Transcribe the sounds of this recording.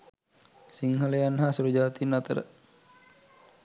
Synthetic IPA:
siŋhaleanɦasuɾud͡ʒat̪inat̪ə̰ɾ

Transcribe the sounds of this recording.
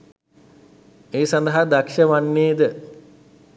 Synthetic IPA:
eːsand̪əɦad̪akʂəʋanːeːd̪ə

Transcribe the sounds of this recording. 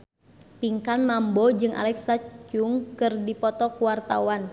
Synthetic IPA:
piŋkanmambɔd͡ʒɨŋʔa̰lɛksat͡ʃuŋkɨrdipɔt̪ɔkuwart̪a̰wan

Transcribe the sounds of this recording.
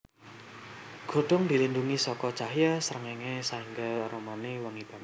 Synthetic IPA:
ɡ̥o̤ɖ̥ɔ̤ŋd̪i̤linduŋisɔkɔ̥t͡ʃahjasəɾəŋeŋesaiŋɡaɾomaniwəŋib̥a̤m

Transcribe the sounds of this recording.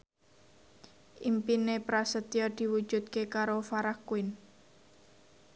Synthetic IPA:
ʔimpinepɾasət̪ijɔd̪̥i̤wud̥ʒ̥ṳt̪̚kekaɾofaɾakuɪn

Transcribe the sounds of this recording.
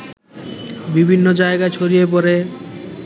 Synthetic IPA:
bibʱinːod͡ʑaeɡaet͡ɕʰoɾijep̬ɔɾe

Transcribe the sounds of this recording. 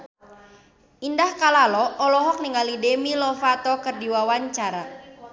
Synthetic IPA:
ʔindahkalalɔɔlɔɦɔk̚niŋalidemilɔfat̪ɔkɨrdiwawaɲt͡ʃaɾa

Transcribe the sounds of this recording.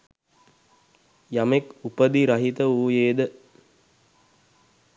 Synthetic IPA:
jamekupəd̪iɾɐɦit̪əuːjeːd̪ə

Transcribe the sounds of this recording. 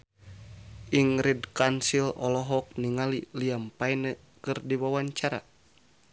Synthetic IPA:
ʔiŋɾidkansilɔ̰lɔɦɔk̚niŋaliliampainə | kɨrdiwawaɲt͡ʃaɾa̰

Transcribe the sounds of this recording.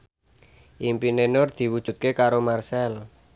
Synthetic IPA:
ʔimpinenord̪̥i̤wud̥ʒ̥ṳt̪̚kekaɾomarsɛl

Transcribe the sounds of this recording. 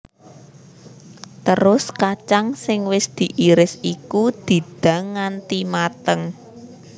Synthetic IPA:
t̪əɾʊskat͡ʃaŋsɪŋwɪsd̪̥i̤ʔiɾɪsikud̪̥i̤d̪̥ä̤ŋːant̪imat̪əŋ

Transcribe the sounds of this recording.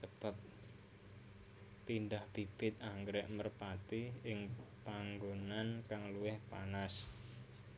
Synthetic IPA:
səb̥ap̚ | indahb̥ib̥ɪt̪̚aŋɡɾɛʔmərpat̪iɪŋpaŋɡonankaŋluwɪhpa̰nas

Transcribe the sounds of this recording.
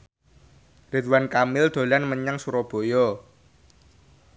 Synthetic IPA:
rit̪wankamɪld̪̥o̤lanməɲəŋsuɾɔb̥o̤jɔ

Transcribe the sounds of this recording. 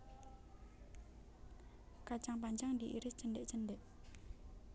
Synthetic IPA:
kat͡ʃaŋpaɲt͡ʃaŋd̪iʔiɾɪst͡ʃəndeʔt͡ʃəndeʔ

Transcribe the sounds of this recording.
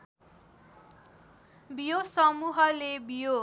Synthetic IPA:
bijosʌmuɦʌlebijo

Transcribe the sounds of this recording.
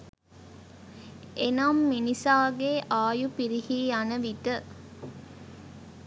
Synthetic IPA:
enamːinisaːɡeʔaːjupiɾihiːanəʋit̪ə

